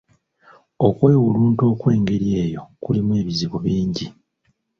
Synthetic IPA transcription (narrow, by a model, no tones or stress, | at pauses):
o̞kwe̞ːwuluːnto̞ːkwe̞ːŋɡe̞ɾje̞ːjo̞kulimwe̞ːβiziβuβiːɲɟi